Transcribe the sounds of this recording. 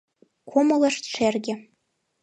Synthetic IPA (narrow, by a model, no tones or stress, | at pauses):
kʷʰomolaʂtʈ͡ʂʷʰerɡʲɪ